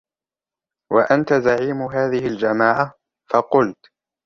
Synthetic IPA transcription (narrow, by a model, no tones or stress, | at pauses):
waʔant̪azaʕiːmɦaːðɪhɪld͡ʒamaːʕa | fɑqʊlt̪